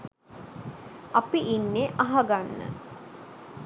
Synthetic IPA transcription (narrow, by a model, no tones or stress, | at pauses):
apiʔinːeʔaɦaɡanːə̰